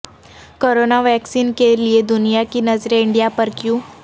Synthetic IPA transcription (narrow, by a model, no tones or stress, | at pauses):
koɾonaʋɛksiːnkelied̪unijakiːnəd͡zɾaiɳɖijapəɾkjuː